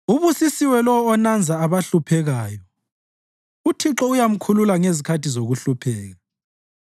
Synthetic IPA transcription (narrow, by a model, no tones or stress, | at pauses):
uβusisiwɛlɔwɔːnand͡zʱaːβaɬupʰɛɣaːjɔ | utʰiǁɔujam̩kʰululaŋezikʰatʰizoɣuɬupʰɛːɣa